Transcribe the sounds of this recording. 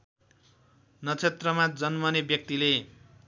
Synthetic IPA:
nʌt͡sʰet̪rʌmad͡zʌnmʌnebjʌk̚t̪ile

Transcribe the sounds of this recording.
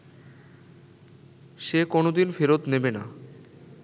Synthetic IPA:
ʃekonod̪infeɾot̪nebena

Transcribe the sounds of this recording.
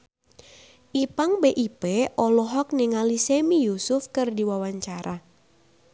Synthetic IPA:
ʔipaŋbeʔipɛʔɔlɔɦɔk̚niŋalisemijusʊfkɨrdiwawaɲt͡ʃaɾa

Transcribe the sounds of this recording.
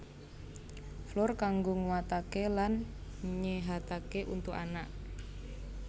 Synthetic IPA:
flʊrkaŋɡoŋuwat̪akelanɲeɦat̪akeʔunt̪ʊkanaʔ

